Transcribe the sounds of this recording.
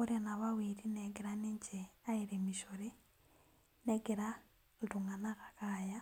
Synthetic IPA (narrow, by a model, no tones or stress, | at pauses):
uɾenaβawiɾinɛɡeɾaniɲt͡ʃeaiɾemiʃoɾi | nɛɡeɾa | nduŋanakakaja